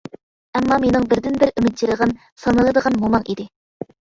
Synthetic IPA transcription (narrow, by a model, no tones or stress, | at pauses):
ɛmːɑmenɪŋbɪɾd̪ɪnbɪɾymɪt̪̚t͡ʃiɾəʁɑn | sɑnɨlˠɨd̪əʁɑnmomɑŋḭd̪ɪ